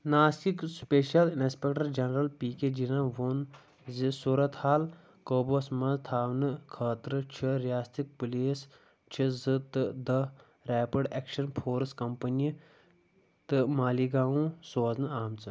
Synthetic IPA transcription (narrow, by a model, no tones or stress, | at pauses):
naːsikspeːʃɐlinspʲek̚ʈɐɾd͡ʒɐnɾɐlpiːkeːd͡ʒinãʋon | zisuːɾɐt̪haːl | koːbosmɐ̃zt̪ʰaːʋnɨkʰaːt̪ɾɨt͡ʃʰiɾijaːst̪ʰik̚puliːs | t͡ʃʰizɨt̪ɨd̪ɐ | ɾɛːpɐɖeːkʃɐnpʰoːɾɨskɐmpɐnii | t̪ɨmaːliɡaːũːsoːznɨaːmt͡sɨ